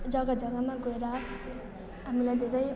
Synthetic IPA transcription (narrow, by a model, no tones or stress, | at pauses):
d͡zʌɡʌd͡zʌɡʌmaɡoeɾʌ | ɦamilajd̪ʱeɾʌj